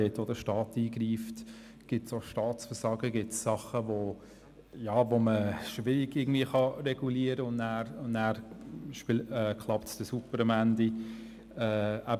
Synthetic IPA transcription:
eːt̪od̪əʃtɑːtiːɡriːft | ɡ̥ɪtsoʃtɑːt͡sfəsɑɡəɡɪtsːɑχəvo | jɑːvoməʃʋɪɾɪɡɪɡəŋ̩dviːəχɑrɛɡ̥uliəɾəʊnnæːɾʊnnæːɾiʃpilɛːkʰlˠɑp̚tsd̥əsupːəɾɑmændi | ɛːæb

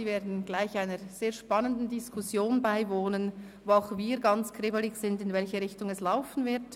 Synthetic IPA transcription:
iːveːɐdn̩ɡ̥laɪçaɪnəɾz̥eːɐʃpɑnəndn̩dɪskʰʊsjoːnbaɪvoːnən | voaʊxviːɾɡɑnt͡skʁ̥ɪbəlɪçz̥ɪndɪnvɛlçəʁɪçtʊŋɛslaʊfn̩vɪʁt

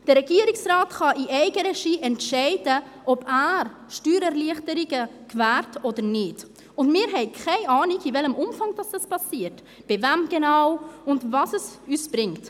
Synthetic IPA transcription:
d̥əɾɛɡiːəɾɪksrɑːtχɑʔiʔɛɪɡəɾɛʃiːʔɛntʃɛɪdə | ʔɔbæːɾ | ʃtyːɾɛɾliəχtəɾiɡəkvæːɾtʰoːdəɾnɪd | ʊndmɪːɾɦɛɪkʰχɛɪʔɑːnɪɡivɛləmʊmfɑŋd̥ɑsd̥ɑspʰɑsiːəɾt | b̥ɪvɛmɡ̥ɛnaʊʊndvɑsɛsyːsb̥ɾɪŋt

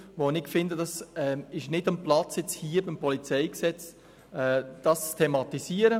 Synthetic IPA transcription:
ʋonɪkfɪndəd̥ɑsɛɪʃnɪdəmplɑt͡sjɛt͡shiːəbɪmpɔlit͡sɛɪksɛt͡s | ɛd̥ɑst͡stʰemɑt̪isiːəɾə

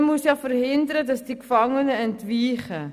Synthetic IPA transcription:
musjɑːfərhɪndəɾədɑsd̥ikfɑŋənəəntviːχə

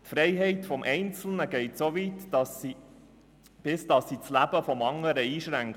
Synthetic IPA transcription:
t̪fɾɛɪɦɛɪtfɔmʔɛɪnt͡sl̩nəɡ̥ɛɪtsovitɑsi | b̥ɪsd̥ɑsːit͡slæb̥əfɔmɑŋːəɾəiːʃɾæŋk

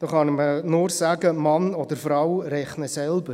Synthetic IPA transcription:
d̥ɑːχɑnɪmənʊːɾsæːɡəmɑnɔd̪əɾfɾawɾɛχnəsɛlbə

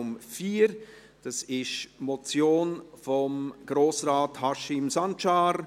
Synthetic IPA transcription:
mfiːɾ | d̥ɑsɪʃmɔt͡sjoːnfɔmɡ̥ɾoːsraːthɑʃɪmsɑnt͡ʃɑːɾ

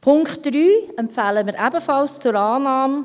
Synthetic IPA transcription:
pʰʊŋkχt̚d̥ɾyːɛmpfæːləmɪɾʔæbəfɑlst͡sʊɾaːnɑːm

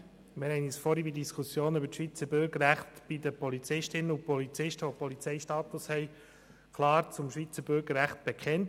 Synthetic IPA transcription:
mɪɾhɛɪnisfɔɾibidiskʰusjoːnybəɾʃviːt͡səbʏɾɡəɾæχtb̥id̪əpɔlit͡sɪʃtɪnəupɔlit͡sɪʃtəʋopɔlit͡sɛɪʃtɑːt̪ʊshɛɪ | kʰlɑːɾt͡sʊmʃʋiːt͡səbʏɾɡəɾːæχt̚b̥ekʰɛnt

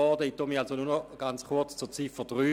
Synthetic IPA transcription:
ɔdəit̪ːomialsonunɔɡ̥ant͡sχʊɐt͡st͡suɐt͡sifəd̥ʁyː

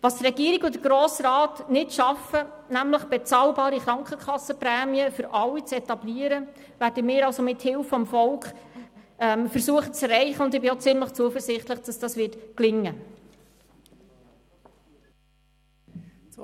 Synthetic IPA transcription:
vɑst̪rɛɡiəɾiɡʊdəɡɾoːsɾɑːtnɪtʃɑfə | næmləχb̥ɛt͡sɑːlbɑːɾiχɾɑŋkχəkχɑsːəpɾɛːmiəfʏɾʔɑlit͡sɛt̪ɑbliːəɾə | væːɾdəmɪːɾɑlsomɪthɪlfɔmfɔlkχ | ɛmfəɾsuəχət͡sɛrɛɪχəʊnd̪ɪbɪot͡sɪmləχt͡suəfəɾsɪχt̪ləχd̥ɑsd̥ɑsʋɪtklɪŋːə

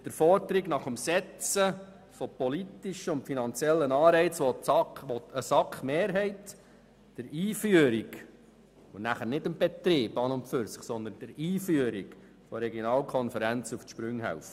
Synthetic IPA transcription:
d̥əɾfɔɾdəɾiɡnɑχəmsɛt͡sə | fɔpɔlit̪iʃəʊntfinɑnt͡sjɛlːənɑːɾɛɪt͡sʋɔɑʋɔtəsɑkχmeːɾɦɛɪt | d̥əɾiːfyəɾiɡ | onæχənɪdəmbɛt̪ɾɪːbɑnʊmpfʏɾsəχsɔnd̪ənd̥əɾiːfyəɾiɡ | fɔɾɛɡjonɑːlkʰɔnfəɾænt͡sufʃpɾʉŋhæ̰wf

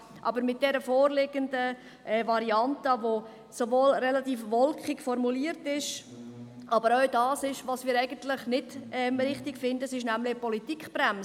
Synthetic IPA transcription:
ʔɑ̰bəɾmɪt̚d̥ɛɾəfoːrlɪɡ̥əndə | ʔɛvɑɾiɑntəʋo | soʋoːlɾɛlɑt̪iːfʋɔlkχɪkfɔɾmuliːəɾtɪʃ | ʔɑbəɾɔʊdɑːsɪʃʋɑsmiːɾɛɪɡ̥əntlɪχnɪdɛmɾɪχtɪkfɪndəsɪʃnæmlɪpɔlitikχb̥ɾæms

